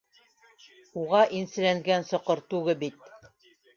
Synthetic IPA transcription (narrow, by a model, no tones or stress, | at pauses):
uʁɑʔinsɘ̆læŋɡænsɤ̆qɤɾt̪ʉɡɘbit̪̚